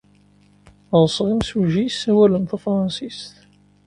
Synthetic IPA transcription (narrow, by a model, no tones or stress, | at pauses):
ʁˤsˤʁimsuʒissːæwælənθufɾˤɑnsist̪